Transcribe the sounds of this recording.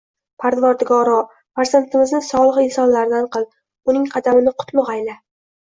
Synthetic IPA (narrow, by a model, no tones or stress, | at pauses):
pʰaɾd̪vaɾd̪ɪɡɒɾɒ | paɾzant̪ʰɪmɪznɪsɒlˠɨʁɪnsɒnlaɾd̪anqɨlˠ | ʊnɪŋqʰɑd̪amɪnɪqʰʊ̥t̪lˠʊqajla